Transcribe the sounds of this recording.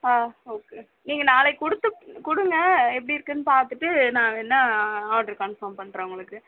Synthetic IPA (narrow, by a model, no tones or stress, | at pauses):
aːoːkeː | niːŋɡɐnaːleɪkʊɽɯt̪ːɯkʊɽɯŋɡɐɛp̬ːɐɽiɪɾɯkːɯnːɯpaːɾt̪ɯʈːɯnãːɛnːɐaːʈɐɾkɐɳfɐːmpɐɳːɾẽːʊŋɡɐɭɯkːɯ